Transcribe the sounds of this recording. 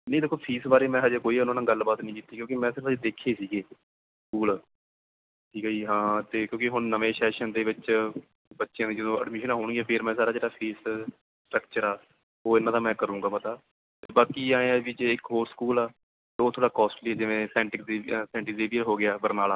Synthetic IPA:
nə̃ĩd̪eːkʰːoːpʰiːsbaːɾeːmɛ̃ːɦəd͡ʒeːkoːiːʊnãːnãːɡəlbaːt̪nĩːkit̪ːiːkjõːkimɛ̃ːsɪɾəfd͡ʒeːd̪eːkʰeːsiːɡeː | skuːl | ʈʰiːkːiːɦãːt̪eːkjõːkɪɦʊɳnəʋẽːsɛːʃənd̪eːʋɪt͡ʃ | bətːʃɪjãːd̪iːd͡ʒəd̪õːə̰ɖmɪʃənaːɦoːɽ̃ɡiaːpʰeɾmɛ̃ːsaːɾaːd͡ʒeːɽaːpʰiːs | sʈɾəkt͡ʃəɾaː | oːɪnãːd̪aːmɛ̃ːkəɾũːŋɡaːpət̪aː | t̪ebaːkiːaːẽːaːd͡ʒiːd͡ʒeɪkɦoːɾskuːlaː | t̪eːoːt̪ʰoːɽaːkɔːsʈliːɛːd͡ʒɪʋẽːsɛ̃ːʈɪk̪eːsɛ̃ːɳʈɪeːʋijəɾɦoːɡɪjaːbəɾnaːlaː

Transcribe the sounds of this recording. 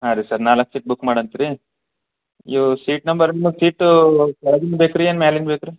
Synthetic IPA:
ɦad̪esɐɾnaːlɐkːsiːʈ̚bukːmaːɽɐnt̪iɾi | ḭsiːʈnɐmbɐɾnimɐɡsiːʈkɐɭɐd̪inbeːkɾiɐnmaːlinbeːkɾi

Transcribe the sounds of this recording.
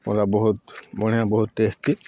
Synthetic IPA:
mɔ̰labɔɦut̪bɔɽ̤̃ijabɔɦut̪ːest̪i

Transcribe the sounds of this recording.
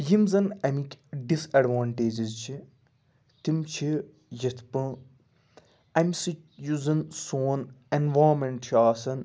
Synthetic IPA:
jimzɐnɐmikʲɖisɐɖʋaːɳʈeːd͡ʒizt͡ʃʰi | t̪imt͡ʃʰi | jɐt̪ʰpɨ̃ | ɐmʲsi | juzɐnsoːnenʋaːmɐɳʈt͡ʃʰiaːsɐn

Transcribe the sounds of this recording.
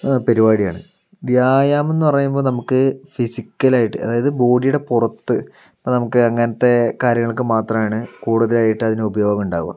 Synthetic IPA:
peɾibaːɽijaːɳɨ | djaːjaːme̞nːɨpɐrɐjumbo̞ːlnɐmukːɨfisikʲːɐlaːjiʈːɨɐ̰ðaːjɐðɨbo̞ːɽijuɽe̞purɐt̪ːɨ | ɐpːoːnɐmukːɨɐŋːɐnɐt̪ːe̞kaːɾjɐŋːɐɭkːɨmaːt̪rɐmaːɳɨkuːɽuðɐlaːjiʈːɨɐðinɨubɐjo̞ːɡɐmuɳɖa̰ːɣuʋa̰

